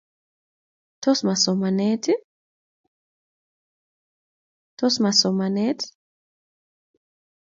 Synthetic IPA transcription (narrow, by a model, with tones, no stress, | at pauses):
tɔ˦sma˨sɔ˨ma˨nɛtʰi˦ | tɔsma˨sɔ˨ma˨nɛt